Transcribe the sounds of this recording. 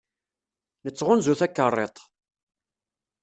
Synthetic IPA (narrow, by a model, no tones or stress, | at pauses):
nət͡sːʁʊnzuθækːərˤːet̪ˤ